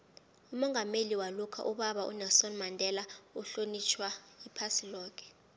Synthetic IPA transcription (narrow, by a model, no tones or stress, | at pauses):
umɔŋɡʱameliwalukʰa̰ʔuɓaɓaʔṵnɛsɔnmandʱɛlauɬonit͡ʃʰwaipʰasilɔːkʰʼɛ̥